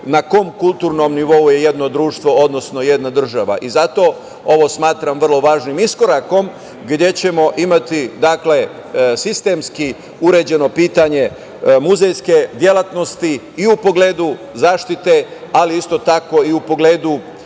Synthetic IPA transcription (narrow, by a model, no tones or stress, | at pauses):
nako̞mkulˠt̪uːɾno̞mniʋo̞uje̞je̞d̪no̞d̪ɾuːʃt̪ʋo̞od̪no̞sno̞je̞d̪nad̪r̩ʒaʋa̰ʔizat̪o̞ | o̞ʋo̞smaːt̪ɾamʋr̩lˠo̞ʋaːʒnimisko̞ɾako̞m | ɡd̪je̞t͡ɕe̞mo̞ʔimat̪id̪akle̞ | sist̪e̞mski | uɾed͡ʑe̞no̞piːt̪aɲe̞ | muzejske̞d̪jelat̪no̞st̪i | iupo̞ɡleːd̪u | zaːʃt̪it̪e̞aliist̪o̞t̪ako̞iupo̞ɡleːd̪u